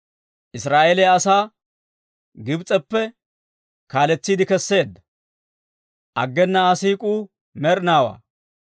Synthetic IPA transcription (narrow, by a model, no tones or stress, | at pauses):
ʔɪsɾaːʔelɛjɐsaː | ɡɪbt͡sʼɛpːɛ | kaːlɛt͡sːiːd̪ɪkɛsːe̞ːd̪ːɐ | ʔɐɡːɛnːɐːsiːkʼuː | mɛɾnaːwa̰ː